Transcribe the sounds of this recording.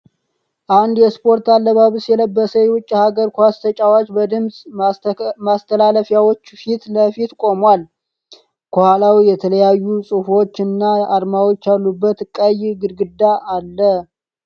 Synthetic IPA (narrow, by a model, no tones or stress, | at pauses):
ʔand̪jɛspʰo̞ɾt̪alːəβaβɨsjɛləbːəsəjɛwʊt͡ʃʼːihaɡəɾkʰwast̪ʰət͡ʃʼawat͡ʃʼbəd̪ɨmsʼ | mast̪ʰəlaləfjawo̞t͡ʃːfit̪ləfit̪kʼo̞mwal | kʰəhalawijɛt̪ʰələjajːusʼɨfo̞t͡ʃːɨnːaaɾmawo̞t͡ʃːalːubːət̪kʼəjɡɨd̪ɡɨd̪ːaʔːlːə